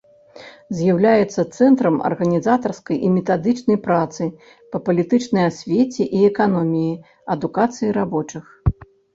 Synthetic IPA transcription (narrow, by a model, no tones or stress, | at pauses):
zʲjawlʲajɛt̪sːɐt̪sɛnt̪ɾɐmɐ̰rɣɐnʲizat̪ɐrskɐjʔimʲɛt̪ad̪ɨt͡ʂnɐjpɾat̪sɨ | pɐpɐlʲit̪ɨt͡ʂnɐjasʲvʲet͡sʲɛʔiɛkanɔmʲiji | ɐd̪ukat̪sɨjiɾabɔt͡ʂɨx